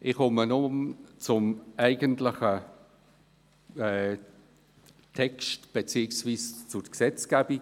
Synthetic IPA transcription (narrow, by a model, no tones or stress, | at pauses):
ʔɪχʊmənʊmt͡sʊmæɪɡəntlɪχə | ɛ | tʰɛkstb̥et͡siːəksviːst͡sʊksɛt͡sɡ̥ɛbi